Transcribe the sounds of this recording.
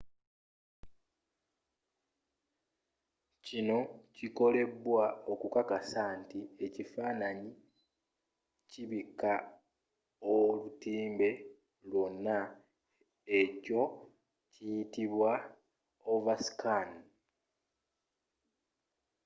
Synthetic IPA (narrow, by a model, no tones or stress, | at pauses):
cino̞ciko̞le̞βwao̞kukakasantie̞cifaːnaɲi | ciβika | olutiːmbe̞ | lwo̞nːa | eco̞ | cijitiβwa | ovasi̥kan